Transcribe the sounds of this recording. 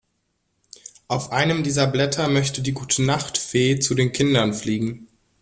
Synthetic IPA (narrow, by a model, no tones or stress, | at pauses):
ʔaʊfʔaɪnəmdiːzɐblɛtʰɐmœçtədiːɡuːtʰənaχtfeːt͡sudeːnkʰɪndɐnfliːɡŋ̩